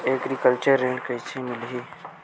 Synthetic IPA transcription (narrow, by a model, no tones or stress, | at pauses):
ekɾikəlt͡ʃəɾːẽɳɖkəjt͡ʃʰimilɦi